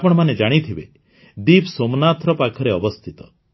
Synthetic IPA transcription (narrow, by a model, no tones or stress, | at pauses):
pɔɽ̃maned͡ʒaɽ̃it̪ʰibe | d̪ibsomnat̪ʰɾɔpakʰɔɾeɔbɔst̪ʰit̪ɔ̥